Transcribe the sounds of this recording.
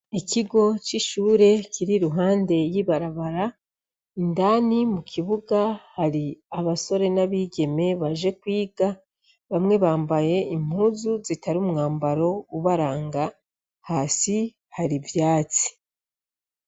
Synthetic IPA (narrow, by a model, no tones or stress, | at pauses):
iciɡo̞t͡ʃiʃuːɾe̞ciɾiɾuɦaːnde̞jiβaɾaβaɾa | indaːnimukʰiβuɡahaɾiaβaso̞ɾe̞naβiːɟe̞me̞βaʒe̞kwiːɡa | βamŋe̞βaːmbaje̞im̥huːzuzitʰaɾumuŋaːmbaɾo̞uβaɾaːŋɡa | hasi | haɾivjaːt͡si̥